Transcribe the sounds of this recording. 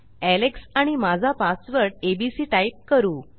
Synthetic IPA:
æleksãimad͡zʱapasʋəɾɽebisiːʈaip̚kəɾuː

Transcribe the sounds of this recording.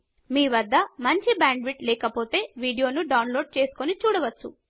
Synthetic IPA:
miːʋɐd̪ʱːɐmɐɲt͡ʃibaːɳɖʋiʈlɛːkɐpo̞ːt̪e̞ːʋiːɽijo̞ːnuɖɐwnlo̞ːɖ̚t͡ʃe̞ːsu̥konit͡ʃuːɽɐʋɐt͡ʃːṵ

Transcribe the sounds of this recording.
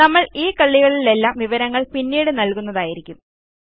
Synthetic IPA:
ɐmːɐɭiːkɐɭːiɣɐɭile̞lːaːmʋiʋɐɾɐŋːɐɭpinːiːɽɨnɐlkunːɐðaːjiɾikʲːum

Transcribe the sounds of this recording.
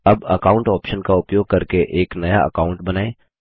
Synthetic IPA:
ɐbɐkaːʊ̃ɳʈɔːpʃənkaʊpjoːɡ̚kɐɾkeʔeːknɐja̰ɐ̰kaːʊ̃ɳʈbɐnaːẽː

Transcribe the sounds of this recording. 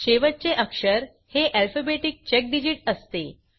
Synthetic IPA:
ɕeʋət͡seʔəkʂəɾ | heʔælfəbeʈik̚t͡ɕek̚ɖid͡ʑiʈəst̪e

